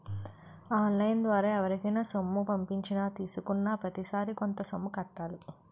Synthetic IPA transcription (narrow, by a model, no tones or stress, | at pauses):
aːnlɐjnd̪ʋaːɾɐːɛʋɐɾikɐnasomːupɐmpiɲt͡ʃinaːt̪iːsukunːaːpɾɐt̪isaːɾiko̞nt̪ɐsomːukɐʈːaːlu